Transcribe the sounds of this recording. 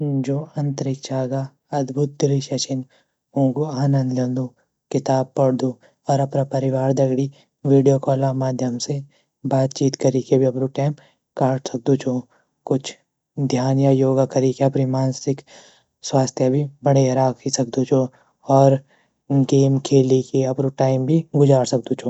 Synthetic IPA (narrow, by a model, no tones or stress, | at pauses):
d͡ʒoːɐ̃nt̪ɾɪkt͡ʃaːɡa | ɐd̪bʱʊt̪̚d̪ɪɾiʃɐt͡ʃʰɪn | ũːɡuaːnɐ̃nd̪lɐnd̪u | kɪt̪aːb̚pɐɽd̪u | ɔːɾɐpnapɐɾɪʋaːɾd̪ɐɡɽi | ʋiːɖijokɔːlamaːd̪ʱjəmse | baːt̪̚t͡ʃiːt̪kɐɾiːkebʱiɐpɾuʈɛːm | kaːʈsɐk̚d̪ut͡ʃʰoː | kʊt͡ʃʰ | d̪ʱjaːnjajoːɡakɐɾikeɐpnimaːnsɪk | swaːst̪ʰjabʱibɐɽ̤eɐɾaːkʰisɐk̚d̪ut͡ʃʰo | ɔːɾ | ɡeːmkʰeːlikiɐpɾuʈaːɪmbʱiɡʊd͡ʒaːɽsɐk̚d̪ut͡ʃʰoː